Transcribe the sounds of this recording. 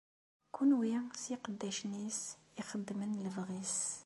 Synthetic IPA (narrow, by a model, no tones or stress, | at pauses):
kunwjæsiqəd̪ːæʃnis | ixəd̪ːmənləvʁis